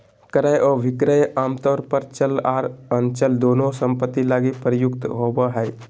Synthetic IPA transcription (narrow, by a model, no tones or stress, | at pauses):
kəɾəjʔɔːʋɪkɾəjaːmt̪ɔːɾpəɾt͡ʃəlaːɾənt͡ʃəld̪oːnõsə̃mpət̪ːilaːɡipɾəjʊkt̪ɦoːbaɦɛː